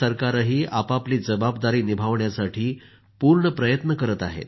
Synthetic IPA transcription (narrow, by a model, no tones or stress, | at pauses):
əɾkaɾəɦiːʔapapliːd͡zəbab̚d̪aɾiːnibʱaʋɳjasaʈʰiː | puɾɳəpɾəjət̪nəkəɾət̪a̰ɦḛt̪